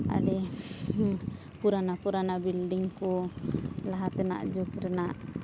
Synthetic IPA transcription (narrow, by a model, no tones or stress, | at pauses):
a̰ɽɛ | puɾanapuɾanabilɖiŋkɔ | laɦat̪ɛna̰ʔd͡ʒukɾɛnaʔ